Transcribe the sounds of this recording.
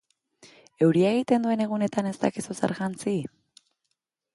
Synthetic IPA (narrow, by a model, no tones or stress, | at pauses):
e̞wɾiaeɣ̞it̪e̞nd̪ue̞ne̞ɣ̞une̞t̪ane̞st̪a̰kisusḛɾɣant͡si